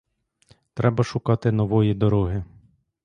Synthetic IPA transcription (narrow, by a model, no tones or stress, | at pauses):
t̪ɾʔɛbɐʃʊkɑt̪ɪnɔʋɔjid̪ɔɾɔɦɪ